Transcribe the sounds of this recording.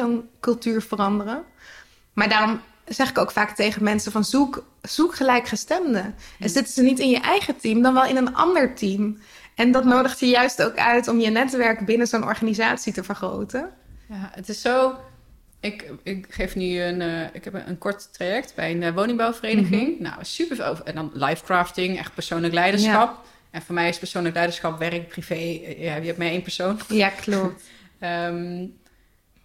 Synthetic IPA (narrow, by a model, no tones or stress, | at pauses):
onkɵlˠtyːɹv̥ərɑndərən | maːɹdaːrɔm | zɛχɪkoʊwkfaːktejχəmɛnsəvɑnzuk | z̥ukχəlɛjkχəstɛmdəɛnzɪtəzənitɪnjəʔɛjχətimdɑnʋɛlˠɪnənɑ̰ndəɹtim | ʔɛndɑtnowdəχtjəjœɥsto̰wkœ̰ɥtɔmjənɛtʋɛɹkbɪnəzonɔ̰ɹχaːnizaːtsitəvəɹχro̰wtənjaətɪsːow | ɪkɪkχejfnyənɪkɦɛpə̰nkɔɹttrajɛk̚tbɛjənʋownɪŋbawfərejdəɣɪŋna̰wsypəɹo̰ɛndɔnlajfkraːftɪŋɛ̰χt̚pəɹsownləklɛjdəɹsxɑp | ɛnfoːɹmɛjɪspəɹsoːnləklɛjdəɹsχɑpʋɛrək̚privejɛjɛpmɛjejnpəɹsownjaklɔ | əm